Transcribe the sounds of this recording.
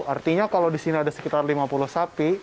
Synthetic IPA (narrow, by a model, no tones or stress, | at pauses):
art̪iɲakalowdisiniadasə̥kit̪arlimapulʊhsapi